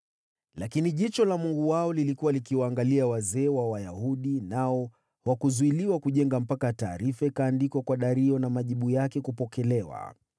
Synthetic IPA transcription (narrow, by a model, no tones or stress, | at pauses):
lakiniʄit͡ʃɔlamuŋɡuwaɔlilikuwalikiwaːŋɡaliawazɛːwawajahuɗinaɔ | hwakuzuiliwakuʄɛŋɡam̩pakataːɾifaikaːndikwakwaɗaɾiɔnamaʄiɓujakɛkupɔkɛlɛwa̰